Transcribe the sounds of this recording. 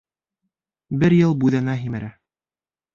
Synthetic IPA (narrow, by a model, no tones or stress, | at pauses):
bɘɾjɤlˠbʉðænæɦimæɾæ